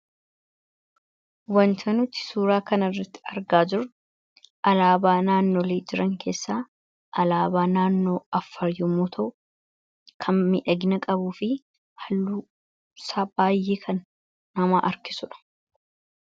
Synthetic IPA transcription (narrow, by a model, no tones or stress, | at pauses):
wɐnt̪ʰɐnʊt̪ːɪ̥suːɾaːkɐnɐrːɐt̪ːɪ̥ɐɾɡaːd͡ʒɪɾ | ʔɐlaːbaːnaːnːo̞ːleːd͡ʒɪɾɐŋkʰe̞ːsːaː | ʔɐlaːbaːnaːnːo̞ːɐfːɐɾjɔmuːt̪ʰɐʔʊ | kʰɐnmɪʔɐɡɪnɐkʼɐbuːfɪ | hɐlːuː | saːbaːjːeːkʰɐnː | ɐmaːʔɐɾkɪ̥sʊᶑɐ̥